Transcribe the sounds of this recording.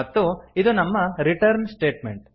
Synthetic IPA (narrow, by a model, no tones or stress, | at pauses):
ɐt̪ːuid̪unɐmːɐɾiʈɐɾnsʈe̞ːʈmḛɳʈ̚